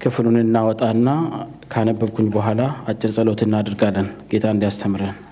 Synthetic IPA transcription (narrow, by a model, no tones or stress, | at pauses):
kʰɨfɨlunɨnːawɔt̪ʼanːa | kʰəanəbːəbkʰuɲbəɦʷalaat͡ʃʼːɪlsʼəlo̞t̪ʰɨnːad̪ɨɾɡalːənɡ̥e̞t̪ʰaɨnd̪ijast̪ʰəmɾən